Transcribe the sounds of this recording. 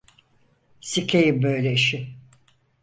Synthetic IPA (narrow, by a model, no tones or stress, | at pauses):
sicʰejimbøjlʲeʃɪ